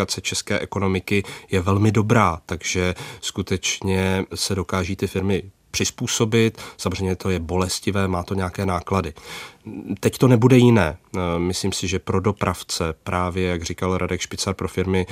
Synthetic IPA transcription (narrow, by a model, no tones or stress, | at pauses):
at͡sɛt͡ʃɛskɛ̰ːʔɛko̞no̞mɪkɪjɛvɛlmɪdo̞bɾaːt̪aɡʒɛskut̪ɛt͡ʃɲɛsɛdo̞kaːʒiːt̪ɪfɪɾmɪ | pr̝̥ɪspuːso̞bɪt̪samorɛjmɲɛt̪o̞jɛbo̞lɛscɪvɛːmaːt̪oɲɛakɛːnaːkladɪ | t̪ɛct̪o̞nɛbudɛjɪnɛːmɪsliːmsɪʒɛpɾo̞do̞pɾʔaft͡sɛpɾʔaːvjɛjaɡr̝ɪkalɾʔa̰dɛkʃpɪt͡saɾpɾo̞fɪɾmɪ